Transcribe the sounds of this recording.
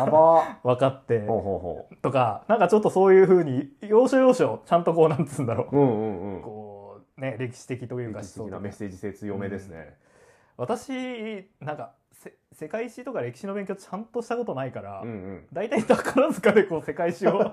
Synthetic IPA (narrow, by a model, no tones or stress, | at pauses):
abaβakat̪ːe̞oːɦoɦo̰ːt̪o̞kanãŋkat͡ɕo̞t̪ːo̞so̞ːjɯ̟ːɸɯ̟ːɲ̟ijo̞ːɕo̞jo̞ːɕo̞t͡ɕãnt̪o̞ko̞ːnãntt͡sɨ̃ːnd̪aɾo̞ɯ̃ɯ̃ko̞ː | ne̞ɾe̞kʲi̥ɕi̥t̪e̞kʲit̪o̞jɯ̟ːkḁonameseːiseːt͡sɨjome̞d̪esɨnḛ | βat̪aɕinãŋka | se | se̞kaiɕit̪o̞kaɾe̞kʲi̥ɕino̞bẽ̞ŋkʲo̞t͡ɕãnt̪o̞ɕi̥t̪ako̞t̪o̞naikaɾaɯ̃d̪ait̪ait̪akaɾazɨkad̪e̞ko̞ːse̞kaiɕio